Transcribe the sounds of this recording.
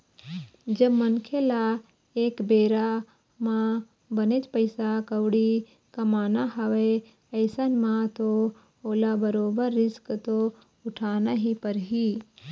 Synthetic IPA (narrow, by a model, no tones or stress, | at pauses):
d͡ʒɐbmənkʰela | eːkbeːɾa | mã | bənet͡ʃpəɪsakəʋɽi | kɐmaːnaɦɐʋe | ɐɪsanmãt̪o | oːlabəɾoːbəɾːɪskt̪o | ʊʈʰaːnaɦipəɾɦi